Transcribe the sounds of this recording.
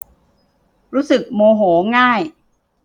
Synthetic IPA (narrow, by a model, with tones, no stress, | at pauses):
ɾuː˦˥sɯ˨˩k̚moː˧ɦoː˩˦ŋaː˥˩j